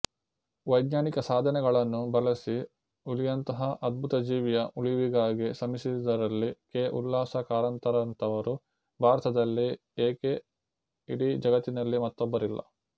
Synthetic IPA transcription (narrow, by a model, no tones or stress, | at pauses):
ʋɐjd̪ɲaːnikɐsaːd̪ʱɐnɛɡɐɭɐnːubɐlɐsi | ulijɐnt̪ɐɦɐʔɐd̪̚bʱut̪ɐd͡ʒiːʋjɐʔuɭiʋiɡaːɡisɐmisid̪ɐɾɐlːikeːʔulːaːsɐkaːɾɐnt̪ɐɾɐnt̪ɐʋɐɾu | bʱaːɾɐt̪ɐd̪ɐlːi | eːke | iɽid͡ʒɐɡɐt̪ːinɐlːimɐt̪ːɔbːɐɾilːɐ̰